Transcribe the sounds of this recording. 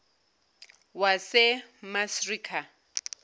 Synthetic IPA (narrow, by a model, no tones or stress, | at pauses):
wasɪmasriːkʰa